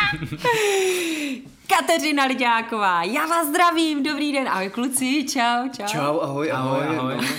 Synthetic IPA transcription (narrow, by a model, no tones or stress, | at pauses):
kat̪ɛr̝ɪnalɪɟaːkovaːjaːvaːzzd̪ɾaviːmdo̞bɾiːdɛnʔa̰ɦojklut͡sɪt͡ʃawt͡ʃat͡ʃawaɦojʔaɦojoj